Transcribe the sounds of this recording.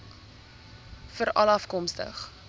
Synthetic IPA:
fəɾɐlɐfkɔmstə̰χ

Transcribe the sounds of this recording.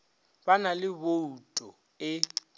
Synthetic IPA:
banalɪboutʼɔ | ɪ

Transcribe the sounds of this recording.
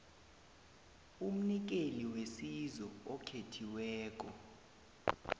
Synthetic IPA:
um̩nik̬eliwesizɔɔkʰetʰiwɛːk̬ʼɔ

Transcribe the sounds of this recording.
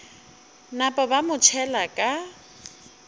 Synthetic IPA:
napʼɔbamʊt͡ʃʰɛlakʼa

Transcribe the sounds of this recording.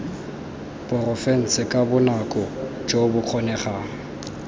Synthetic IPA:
pʊrɔfɛn̩sɪkʼabʊnakʼɔ | d͡ʒobʊq͡χʰɔnɛχaːŋ̩

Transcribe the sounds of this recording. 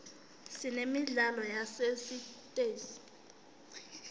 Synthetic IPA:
sinemiɮalɔjasesitʼeːsi̥

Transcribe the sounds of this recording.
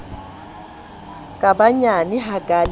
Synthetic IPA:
kʼabaɲanɪɦaɡʼal

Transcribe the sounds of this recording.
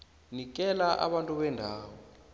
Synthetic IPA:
nik̬ʼɛlaʔa̰ɓantʼuɓɛndʱaːwɔ

